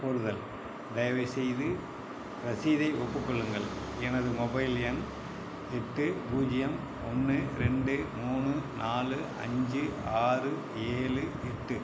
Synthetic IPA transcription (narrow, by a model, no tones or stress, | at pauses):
pɔɾɯðɐl | d̪ɐjɐʋɐɪsɛjðɯ | ɾɐsiːðɐɪʔɔpːɯkːɔɭːɯŋɡɐɭ | ɛnɐðɯmɔbɐɪlɪjɐn | ɛʈːɯbuːd͡ʒɪjɐm | ɔnːɯɾɛɳɖɯmuːɳɯnʔaːlɯɐ̰ɲd͡ʒɯaːrɯ | eːlɯɛʈːɯ